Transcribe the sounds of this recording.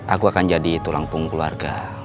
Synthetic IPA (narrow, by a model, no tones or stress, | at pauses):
ʔakuakand͡ʒadit̪ulaŋpʊŋklua̰rɡa̰